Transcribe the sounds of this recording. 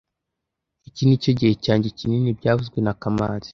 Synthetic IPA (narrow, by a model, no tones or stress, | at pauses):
icinicoɟihe̞caːɲɟecininibɟaːvuzɡwe̞nakama̰ːz̥i̥